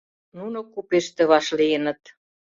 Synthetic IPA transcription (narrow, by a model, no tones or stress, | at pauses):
nunokupeʃt̪ĕβɑʃlijənə̆t̪